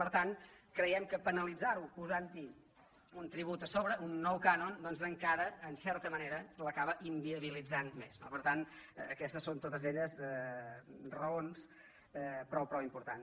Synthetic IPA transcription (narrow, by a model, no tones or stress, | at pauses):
pəɾt̪ankɾəjɛmkəpənəlid͡zaɾupuzant̪i | unt̪ɾiβut̪əsoβɾəʔunːɔwkanond̪ɔnzəŋkaɾəːnsɛɾt̪əməneɾələkaβəʔimbiəβ̞ilid͡zanmezno̰pəɾt̪anəkɛst̪əsːont̪ot̪əzeʎəzɛ | rəons | ɛpɾɔwpɾɔwimpuɾt̪an